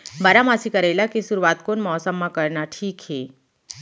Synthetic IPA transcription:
baɾamaːsikɐɾelakisuɾuʋaːt̪̚koːnmɔsəmːakɐɾnaʈʰiːkɦeː

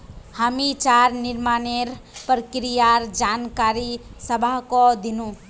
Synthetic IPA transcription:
həmit͡ʃaːɾnɪɾmaːneɾpɾkɾijaɾd͡ʒaːnkaːɾisəbʱakod̪ɪnũ

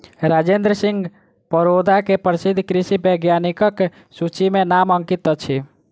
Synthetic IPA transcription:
ɾad͡ʒend̪ɾəsiŋɡ | pəɾod̪akepəɾsid̪ʱkɾisibəɡjanikək | sut͡ʃimenaməŋkit̪ət͡ʃʰi

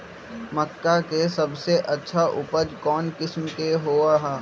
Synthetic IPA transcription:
məkːakesɐbseʔɐtːʃʰaʔʊpəd͡ʒkɔːnkɪsmkeɦoːaɦɛː

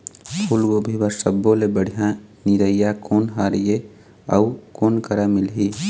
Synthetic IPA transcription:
pʰulɡobʱibəɾsəbːolebəɽ̤ʱijãniɾəijakoːnɦaɾije | əukoːnkəɾamilɦi

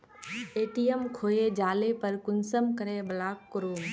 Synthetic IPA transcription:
eːʈijəmkʰoːed͡ʒaːlepəɾkʊnsəmkəɾeːbɐlaːkːʊɾuːm

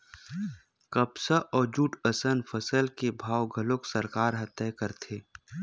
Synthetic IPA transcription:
kəpsəʔɔːɾd͡ʒuːʈəsənpʰəsəlkebʱaːwɡʱəloksəɾkaːɾɦɐt̪ːɛːkəɾt̪ʰeː

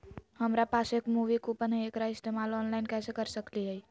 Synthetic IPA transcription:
həmɾapasekmuʋikupənɦəekɾaɪst̪emalɔnlaɪnkɛsekəɾsəkliɦəj

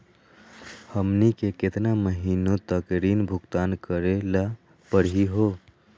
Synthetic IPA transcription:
həmnikekɪt̪naməɦinot̪əkɾinbʱʊkt̪aːnkəɾela | pəɽɦiɦo

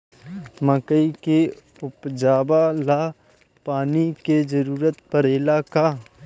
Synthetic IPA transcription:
məkəike | ʊpd͡ʒaːbalaː | paːniked͡ʒəɾuːɾət̪pəɾelaːkaː

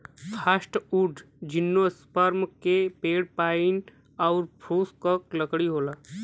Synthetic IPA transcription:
pʰaːsʈuɖʱ | d͡ʒɪnːospəɾmkepeːɽpaːɪn | ɔːɾpʰɾoːskəkləkɽiɦoːlaː

